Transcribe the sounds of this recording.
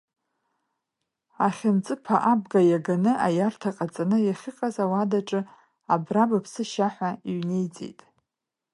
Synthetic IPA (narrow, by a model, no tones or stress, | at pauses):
aχʲɪnt͡sʼɨpʰaʔabɡajaɡanɨʔajartʰaqʼat͡sʼanɨjaχʲɪqʼazawadaʈ͡ʂʼɨ | abrabapʰsɨʃaħʷaiɥne̞jt͡sʼḛjtʼ